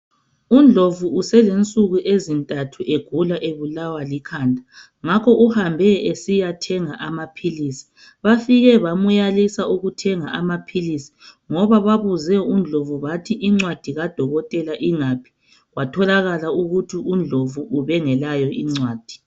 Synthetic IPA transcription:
und͡ɮʱovuːsɛlent͡sʼuɣuʔezintʼatʰuʔeɡ̥ʱulaʔeβulawalikʰaːndʱa | ŋakʰɔʔuhambʱɛesijatʰɛŋaʔamapʰilisi̥ | βafiɣɛβamujalisauɣutʰɛŋaamapʰilisi̥ | ŋɔβaβaβuzɛund͡ɮʱovuβatʰiʔiŋ͡ǀwad̥ʱiɣad̥ʱɔɣɔtʼɛlaʔiŋapʰi̥ | ɣwatʰɔlaɣalauɣutʰiund͡ɮʱovuʔːβɛŋɛlajɔiŋ͡ǀwaːd̥ʱi̥

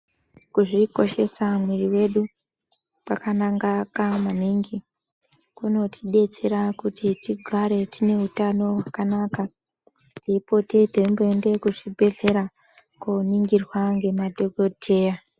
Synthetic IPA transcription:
kuʐiko̞ʃe̞samwiriwe̞ɗu | pakanaŋɡakamaniŋɡi | kuno̞tʰiɗe̞t͡seɾakutʰitiɡʱaɾe̞tine̞ɦutano̞wakanaːka | teipo̞tedʱeimboe̞nde̞kuʐibʱe̞ɮe̞ɾa | koniŋɡirwaŋɡe̞madʱo̞ɡʱo̞dʰʱe̞ːja

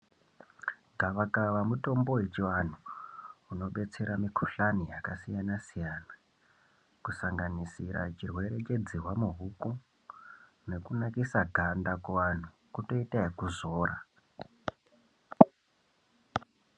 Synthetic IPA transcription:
ɡʱaʋakaʋamuto̞mbo̞wet͡ʃiwan̤uuno̞ɓe̞t͡se̞ɾamikʰuɬanijakasijanasijana | kusaŋɡanisiɾa̰t͡ʃirwe̞ɾe̞t͡ʃe̞d͡zirwamuɦuko | ne̞kunakisaɡʱandakuʋan̤u | kuto̞itaikuzoːɾa̰

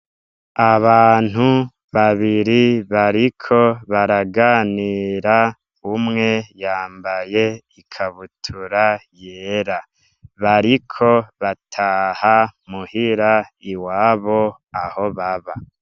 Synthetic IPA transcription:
aβaːn̥hu | βaβiɾiβaɾikʰo̞βaɾaɡaːniːɾa | umŋe̞jaːmbaje̞ikʰaβutʰuɾajeːɾa | βaɾikʰo̞βatʰaːhamuhiɾaiwaːβo̞ | aho̞βaβa

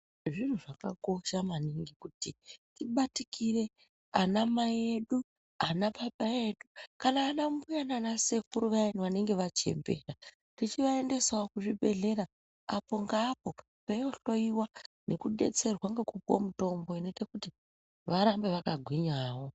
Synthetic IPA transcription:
ʐin̤uʐakako̞ʃamaniŋɡikutitiɓatikʰire̞ | anamajeɗu | anaɓaɓaje̞ɗukanaːnambujananase̞kuɾuʋainiʋane̞ŋɡe̞ʋat͡ʃe̞̰mbe̞̰ra | tit͡ʃiʋae̞nde̞swokuʐibʱe̞ɮe̞ɾa | apo̞ŋɡaːpo̞ | pajo̞ɬo̞iwane̞kuɗe̞̰t͡se̞rwaŋɡekupo̰muto̞mbo̞ine̞te̞kuti | ʋaɾambe̞ʋakaɡʱwiɲawo̞

